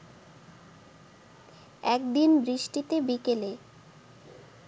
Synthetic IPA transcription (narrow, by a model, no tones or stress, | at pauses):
ɛk̚d̪inbɾiʃʈit̪ebikele